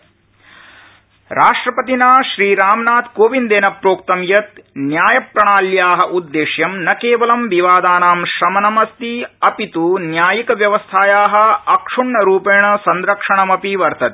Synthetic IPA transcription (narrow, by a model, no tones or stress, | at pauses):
ɾʔaːʂʈɾɐpɐt̪inaːʃɾiːɾaːmnaːt̪koːʋind̪eːnɐpɾoːk̚t̪ɐmjɐt̪̚njaːjɐpɾɐɳaːljaːɦɐ̆ʔud̪ːeːʃjɐmnɐkeːʋɐlɐmʋiʋaːd̪aːnaːmʃɾɐmɐnɐmɐst̪iɐpit̪unjaːjikɐʋjɐʋɐst̪ʰaːjaːɦɐ̆ɐkʂuɳːɐɾuːpeːɳɐsɐnd̪ɾɐkʂɐɳɐmɐpiʋɐɾt̪ʰɐt̪e̥